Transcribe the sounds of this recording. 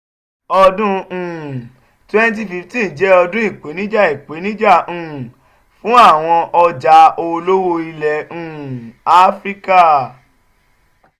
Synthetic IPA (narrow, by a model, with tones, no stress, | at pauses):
ɔ˧dũ˦ũ˨ | twɛ˦n˦t̬i˦fi˨˦ti˦n˨d͡ʒɛ˨˦ɔ˧dũ˦i˦˨k͡pe˨˦nĩ˦d͡ʒa˦˨i˨k͡pe˨˦nĩ˦d͡ʒa˦˨ũ˨ | fũ˦a˦˨w̃ɔ̃˧ʔɔ˧d͡ʒa˨˦o˧lo˦wo˧i˧lɛ˨ũ˨a˦fɾi˦ka˦